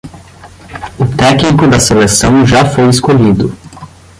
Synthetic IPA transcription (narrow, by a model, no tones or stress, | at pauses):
ʊt̪ɛknikʊd̪ɐselesɐ̃w̃ʒafojɪskoʎid̪ʊ